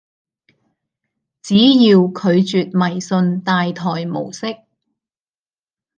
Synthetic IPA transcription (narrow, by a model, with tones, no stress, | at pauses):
t͡siː˨˥jiː˧wkʰɵ˨˧ɥt͡syː˨t̚mɐ˨˩jsɵ˧nt̪aː˧jt̪ʰɔː˨˩jmo̰˨˩wsɪ˥k̚